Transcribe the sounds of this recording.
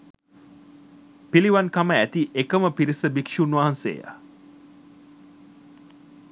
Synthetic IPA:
piliʋankaməæt̪iʔekəməpiɾisəbikʂunʋaɦansḛːja̰

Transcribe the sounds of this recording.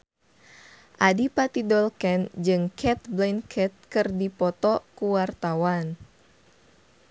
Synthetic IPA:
ʔadipat̪idɔlkɛnd͡ʒɨŋkʰɛt̪̚blɛnkʰɛt̪̚kɨrdipɔt̪ɔkuwart̪awan

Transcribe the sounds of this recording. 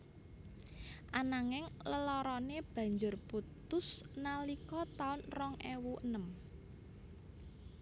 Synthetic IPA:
ʔanaŋɪŋləlɔɾɔneb̥ä̤ɲd͡ʒʊrput̪ʊsnalikɔt̪aʊnrɔŋʔewuənəm

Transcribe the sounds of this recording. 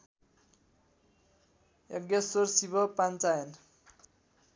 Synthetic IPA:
jʌɡjʌsorsibʱʌpant͡sajʌn

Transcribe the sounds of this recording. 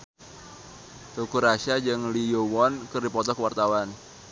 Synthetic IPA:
t̪ukuɾaʃad͡ʒɨŋlijowɔnkɨrdipɔt̪ɔkəwart̪awan

